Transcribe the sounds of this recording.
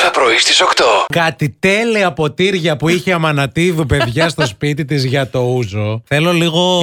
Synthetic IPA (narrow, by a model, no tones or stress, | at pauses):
θɐpɾoist̪isokt̪okɐt̪it̪e̞liɐpo̞t̪iɾʝɐpuiçeɐmɐnɐt̪ivipe̞ðʝɐst̪o̞spit̪it̪izʝɐt̪o̞uzo̞θe̞lo̞liɣo̞